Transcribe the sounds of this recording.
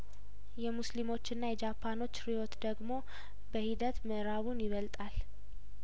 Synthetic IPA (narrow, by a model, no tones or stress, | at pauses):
jɛmuslimo̞t͡ʃːɪnːajɛd͡ʒapʰːano̞t͡ʃːɾijo̞t̪d̪əɡmo̞ | bəhid̪ət̪məʔɾaβunjɪβəlt̪ʼal